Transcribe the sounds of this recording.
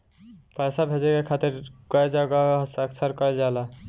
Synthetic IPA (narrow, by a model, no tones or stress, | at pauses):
pəjsabʱed͡ʒɛkekʰat̪iɾɡ̥ɔed͡ʒaɡaɦsəksəɾkɔɛld͡ʒala